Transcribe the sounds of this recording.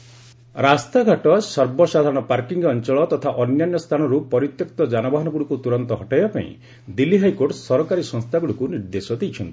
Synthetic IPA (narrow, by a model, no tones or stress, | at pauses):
ɾast̪aɡʱaʈɔsɔɾbɔsad̪ʱaɾɔɽ̃ɔpaɾkiŋɡɔnt͡ʃɔɭɔt̪ɔt̪ʰaʔɔnjanjɔst̪ʰañɔɾupɔɾit̪jɔkt̪ɔd͡ʒanɔbaɦɔnɔɡuɽukut̪uɾɔnt̪ɔɦɔʈajbapa̰ḭ̃ | d̪ilːiɦajkoɾʈsɔɾɔkaɾisɔ̃ŋst̪ʰaɡuɽukuniɾd̪esɔd̪ejt͡ʃʰɔnt̪i̥